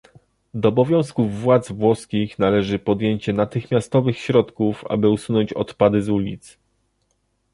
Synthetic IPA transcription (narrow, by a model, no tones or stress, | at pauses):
d̪ɔːbɔvʲjɔ̃w̃skuvːwad̪zvwɔskʲixnalɛʐɘpɔd̪jeɲt͡ɕɛnat̪ɘxmʲjast̪ɔvɘxɕɾɔt̪kufa̰bɘusunɔɲt͡ɕɔ̰t̪pad̪ɘzulʲit̪s